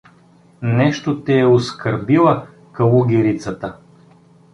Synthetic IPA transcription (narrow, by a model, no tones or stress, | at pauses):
nɛʃt̪ot̪ɛɛoskəɾbilˠə | kɐlˠuɡʲiɾit̪sət̪ə